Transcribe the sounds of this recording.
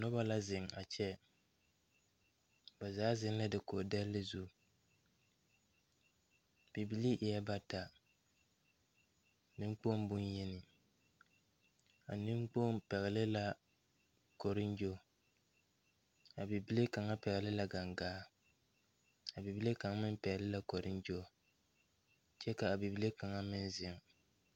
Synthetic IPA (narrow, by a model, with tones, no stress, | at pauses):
nɔ˦ba˦la˦zɪ˨ŋa̰˨t͡ʃɛ˦ | ba˨zaː˨˦zɪ˦nla˦dɪ˨ko˨dɛ˦lːɪ˦zu˦ | b̥i˨bi˦li˦ʔɪ˨jɛ˦ba˦ta˨ | ni˦ŋ͡mk͡po˦mbʊ˦njɛ˦nɪ˨ | a˨nɪ˦mk͡po˦m˦pɛ˨ɣɛ˨lɪ˦la˦ | kɔ˨ɾɪ˦nd͡ʒo˦˨ | a˨bi˨bi˦le˦ka˨ŋa˦pɛ˨ɣɛ˨lɪ˦la˦ɡa˨ŋɡaː˦ | a˨bi˨bi˦le˦ka˨ŋa˦mɪ˦m˦pɛ˨ɣlɪ˦la˦ko˨ɾɪ˦nd͡ʒo˦˨ | t͡ʃɛ˦ka˨a˨bi˨bi˦le˦ka˨ŋa˦mɪ˦n˦zɪ˦ŋ˦